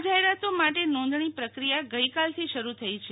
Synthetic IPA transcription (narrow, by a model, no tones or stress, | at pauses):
d͡ʒaɦeɾat̪omaʈenɔ̃nd̪ɳ̃ipɾəkɾijaɡəjkalt̪ʰiʃəɾut̪ʰəit͡ʃʰe